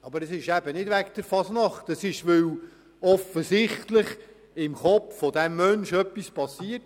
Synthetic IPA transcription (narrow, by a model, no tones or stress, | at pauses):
ɑbəɾəsɪʃæbənɪdʋækd̥əɾfɑsnɑχt̪əsɪʃʋɵw | ɔfəsɪχtləχ | ɪmχɔpffɔdæmːœnʃœpːispɑsːiət